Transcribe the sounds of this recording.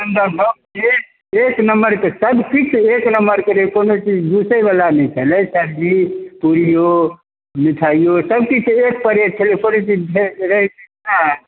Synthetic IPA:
ənd̪əbomt͡ʃe | eknəmbəɾkesəbkit͡ʃʰeknəmbəɾkeɾekonot͡ʃid͡ʒd̪usəjbalanɛjt͡ʃʰəlɛsəɾipuɾijo | miʈʰaijosəbkit͡ʃʰek̚pəɾeʈʰelepʰonot͡ʃid͡ʒbʱeɾəɦit͡ʃi | na

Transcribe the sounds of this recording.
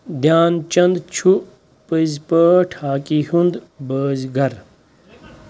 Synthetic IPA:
d̪jaːnt͡ʃɐnd̪t͡ɕʰu | pɨzpəːʈʰaːkiɦund̪bəːzɡɐɾ

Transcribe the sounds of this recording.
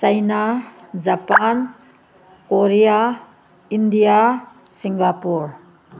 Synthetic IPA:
sajnad͡ʒapan | koɾija | indija | siŋɡapuɾ

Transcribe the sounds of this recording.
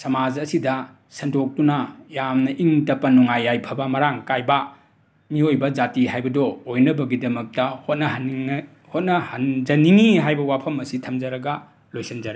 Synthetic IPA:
sɐmad͡ʒɐsidɐ | sɐndok̚tunɐjamnɐʔiŋtɐpːɐnuŋajːajpʰɐbɐmɐɾaŋkajbɐ | miojbɐd͡ʒatiɦajbɐdɔojnɐbɐɡidɐmɐk̚tɐhot̚nɐɦn | hot̚nɐhɐnd͡ʒɐniŋiɦajbɐwapʰɐmɐsitʰɐmd͡ʒɐɾɐɡɐ | lojsind͡ʒɐɾe

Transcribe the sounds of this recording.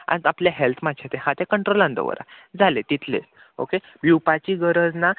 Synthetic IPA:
ã̰nd͡zapljaɦelt̪ʰmad̪ɕʰet̪ẽhãt̪ekəɳʈɾolãnd̪ə̰ʋə̰ɾa̰d͡zʱalet̪it̪ʰlḛs | o̰ke | biwpat͡ɕiɡəɾəd͡zna

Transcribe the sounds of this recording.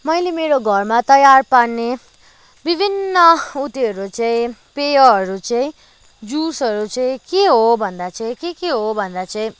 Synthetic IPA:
mʌjlemeɾoɡʱʌrmat̪ʌjarpaɽne | bibʱinːʌut̪iʌɾut͡sʌĩpejʌɦʌɾut͡sʌĩ | d͡zusʌɾut͡sʌĩkeɦobʱʌnd̪at͡sʌĩkekeɦobʱʌnd̪at͡sʌĩ

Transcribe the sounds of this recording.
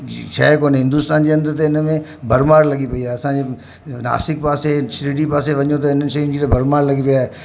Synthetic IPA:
ʃa̰ːkoːnɦɪ̃nd̪uːst̪aːnd͡ʑeɐ̃nd̪ət̪eɪnə̆mẽ | bʱɐɾmaːɾlɐɠipɐiaːɦeɐsãd͡ʑe | na̰ːsɪkpaːsesɾiːɖipaːseʋɐɲot̪ɐɪnəɪʃɐjʊ̃n̆d͡ʑiːt̪ɐbʱɐɾmaːɾlɐɠipijaːɦe

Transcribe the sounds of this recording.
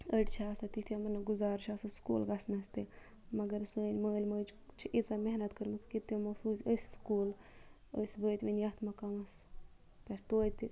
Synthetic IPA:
əʈʲt͡ʃʰaːsɐt̪it̪ʰʲɐmɐnːɐɡuzaːɾt͡ʃʰasɐskṵːlɡasmɐst̪i | mɐɡɐɾɨsəːlʲməːlʲməːt͡ʃt͡ʃʰiʔit͡sameɦnɐt̪kəɾmɨt͡sʰkit̪ɐmɐsuːsʲəsʲskuːl | əsʲbəːt̪ʲʋinʲjat̪ʰmɐkɐmɐs | pʲɐʈt̪oːt̪ʲi

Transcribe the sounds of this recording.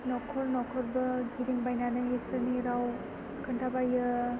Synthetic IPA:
nɔkʰɔɾnɔkʰɔɾbɯɡiɾiŋbajnanajesɯniɾaw | kʰəntʰabajɯ

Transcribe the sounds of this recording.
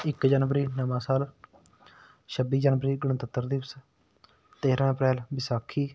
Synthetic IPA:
ɪkd͡ʒənʋəɾiːnəmãːsaːl | ʃəbiːd͡ʒanʋəɾiːɡəɽə̃t̪ət̪ːəɾd̪iːs | t̪eːɾãːəpɾɛːlʋɪsaːkʰiː

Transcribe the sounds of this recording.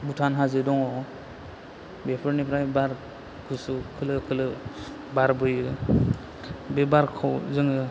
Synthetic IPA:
butʰanɦazɯdɔŋɔ | bepʰɯɾnipɾajbaɾ | kʰusɯkʰɯlɯkʰɯlɯ | baɾbɯjɯ | bebaɾkʰɔwzɯŋɯ

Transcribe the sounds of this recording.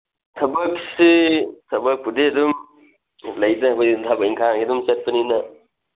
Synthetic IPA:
tʰɐbɐksitʰɐbɐk̚pudedum | lɐjdɐbɐjdʰabɐiŋkʰakidumset̚pɐninɐ

